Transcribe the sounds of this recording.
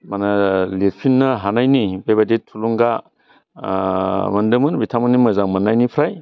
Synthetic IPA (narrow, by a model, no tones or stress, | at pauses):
manaliɾpʰinːɯɦanajnibebadetʰuluŋɡa | mɐndɯmɯnbitʰamɯnimɯzaŋmanːajnipʰɾaj